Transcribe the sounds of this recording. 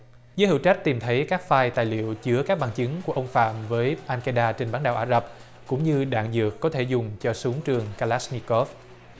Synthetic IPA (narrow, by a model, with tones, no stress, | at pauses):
zəː˨˦jhḭ˧˩˨wt͡ɕa˦˥k̟̚t̪i˨˩mt̪ʰə˨˦jkaː˦˥k̚faː˧jt̪a̰ː˧˨jlḭ˧˨əwt͡ɕɨ˨˦əkaː˦˥k̚ɓaː˨˩ŋt͡ɕɨ˨˦ŋku˧˩əʔə˧wŋ͡mfa̰ː˧˨mvəː˨˦jʔaː˧nka˧jɗaː˧t͡ɕe˧nɓaː˨˦nɗaː˨˩wʔaː˧˩zə˨˩p̚ | kʊ̰˧˥ŋ͡mɲɨ˧ɗa̰ː˧˨ŋzɨ̰˨˩əkːɔ˨˦t̪ʰe˧˩zʊ˨˩ŋ͡mt͡ɕɔ˧su˨˦əŋt͡ɕɨ˨˩əŋkaː˧laː˦˥sni˧kɔ˦˥f